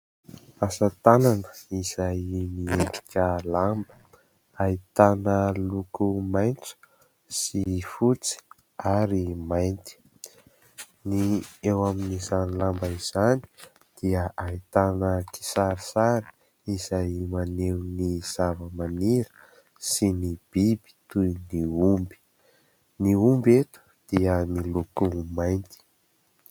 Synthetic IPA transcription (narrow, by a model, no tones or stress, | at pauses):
asat̪ananə̥iz̥ajmieɖ͡ʐi̥kʲəlambə̥ | ait̪anəlukumajnt͡sə̥ | sifut͡si̥ | aɾimajnt̪i̥ | niewaminizanlambaiz̥ani̥ | d̪̥iəʔait̪anəki̥saɾisaɾi̥ | izajmanewniz̥avəmaniɾə̥ | sinib̥ibi̥t̪ujniumbi̥ | niumbet̪u̥d̪̥iənilukumajnt̪i̥